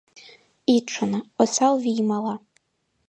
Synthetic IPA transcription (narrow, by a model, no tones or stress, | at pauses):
iʈ͡ʂʰanaosalviːmala